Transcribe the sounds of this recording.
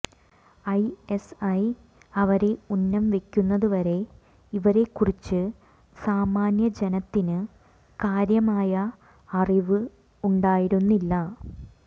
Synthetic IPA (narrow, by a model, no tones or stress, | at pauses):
ɐjesɐj | ɐʋɐɾe̞unːɐmʋe̞kʲːunːɐðuʋɐɾe̞ | iʋɐɾe̞kːurit͡ɕːɨ | saːmaːnjɐd͡ʑenɐt̪ːinɨ | kaːɾjɐmaːjɐ | ɐriʋɨ | uɳɖaːjiɾunːilːɐ